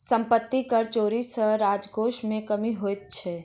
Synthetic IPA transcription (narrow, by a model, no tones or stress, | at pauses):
sə̃mpət̪ːikəɾt͡ʃoːɾisəɾaːd͡ʒɡoːʃmẽkəmiɦoːjt̪̚t͡ʃʰɛː